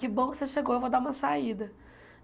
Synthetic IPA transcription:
kɪbõw̃kɪ̥seʃeɡowewvod̪aũmɐsaid̪ɐ

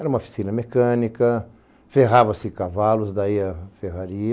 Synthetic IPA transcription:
ɛɾɐũmɐofi̥sĩnɐmekɐ̃nikɐ | feɦavɐsɪkavalʊzd̪aiɐfeɦaɾi

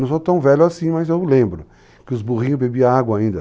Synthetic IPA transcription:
ɐ̃w̃sot̪ɐ̃w̃vɛʎʊasĩmɐzewlẽmbɾʊ | kɪʊzbuʁĩɲʊbebiɐaɡwɐaĩnd̪ɐ

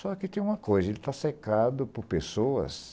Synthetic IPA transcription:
sɔkɪt̪ẽj̃ũmɐkojzɐelɪt̪asekad̪ʊpʊɾpesoɐ̰s

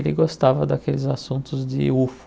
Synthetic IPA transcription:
lɪɡost̪avɐd̪akelɪzasũt̪ʊzd͡ʒɪ̰uf

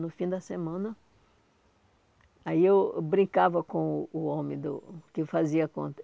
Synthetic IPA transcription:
nʊfĩd̪ɐsemɐ̃nɐ | aiewbɾĩkavɐkõːõmẽd̪ʊ̰kɪfaziɐkõ̰t̪

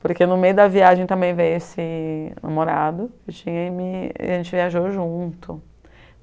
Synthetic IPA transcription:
poɾkenʊmejʊd̪ɐviaʒẽt̪ɐ̃mbẽj̃vejesɪna̰moɾad̪ʊewt͡ʃĩɲɐimḭʒẽnt͡ʃɪviaʒoʒũt̪ʊ

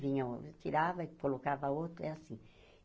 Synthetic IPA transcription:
vĩɲɐt͡ʃ̪iɾavɐikolokavɐot̪ɾʊɛasĩ

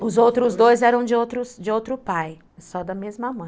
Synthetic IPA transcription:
ʊzowt̪ɾʊzd̪ojzɛɾɐ̃w̃d͡ʒɪowt̪ɾʊsd͡ʒɪowt̪ɾʊpaj | sɔd̪ɐmezmɐmɐ̃j̃

